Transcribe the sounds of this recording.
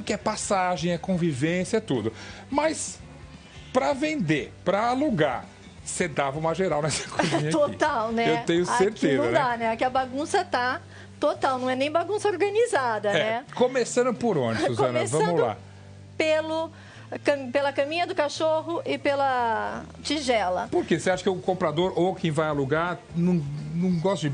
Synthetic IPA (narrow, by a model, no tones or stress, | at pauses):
kɪɛpasaʒẽj̃ɛkõvivẽsjɐt̪ud̪ʊ | mɐs | pɾɐvẽnd̪epɾɐaluɡa̰ɾ | sed̪avɐũmɐʒeɾawnɛsɐ̥kʰɐmĩɲɐot̪awnɛewt̪ẽɲʊseɾt̪ezɐ̃ɐ̃d̪anɛakiɐbaɡũsɐt̪a | t̪ot̪awnɐ̃w̃ɛnẽj̃baɡũsɐoɾɡɐnizad̪ɐnɛɛkomesɐ̃nd̪ʊpoɾõ̰d͡ʒɪsuzɐ̃nsvɐ̃ɐ̃mʊld̪la̰ | pelʊ | kɐmpelɐkɐmĩɲɐd̪ʊkaʃoɦʊʔɪpelɐ | t͡ʃiʒɛlɐpoɾkeseaʃɐ̥kɪʊkõmpɾad̪oɾokẽj̃vajaluɡaɾnɐ̃w̃nɐ̃w̃ɡɔst̪ɐd͡ʒɪ